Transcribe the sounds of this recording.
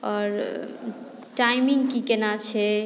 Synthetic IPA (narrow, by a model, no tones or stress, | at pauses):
ɔɾ | ʈajmiŋɡkikenat͡ʃʰɛ